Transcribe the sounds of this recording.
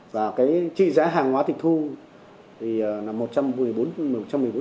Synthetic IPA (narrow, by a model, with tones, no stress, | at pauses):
vaː˨˩kaː˨˦jt͡ɕḭ˧˨zaː˨˦ɦaː˨˩ŋhwaː˨˦t̪ʰï˨˩˨t̪ʰu˧ | t̪ʰi˨˩əː˨˩na˨˩mːo˨˩t̚t͡ɕa˧mmɨ˨˩jɓo˨˦n̚˨˩˨t͡ɕa˧mː˨˩ə˩ɓ